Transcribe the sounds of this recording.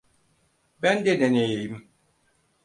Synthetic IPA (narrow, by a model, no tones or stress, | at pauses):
bænd̪ed̪enejejim